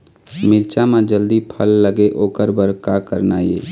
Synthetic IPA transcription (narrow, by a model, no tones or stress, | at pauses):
mɪɾt͡ʃamãd͡ʒəld̪ipʰəlːəɡeʔoːkəɾbəɾkakəɾnaːjḛː